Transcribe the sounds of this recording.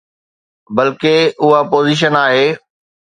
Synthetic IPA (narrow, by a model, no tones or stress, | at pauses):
bɐlkeʊɦapoːziːʃ̬ənaːɦeː